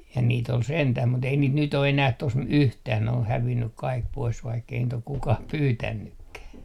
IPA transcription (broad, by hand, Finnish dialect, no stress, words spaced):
jɑ niːt ol sentæh mut ei niːt nyt o enæh tos yhtæːn ne oh hæʋinːyk kɑik pois ʋɑikːei niːt ok kukɑh pyːtænːykːæː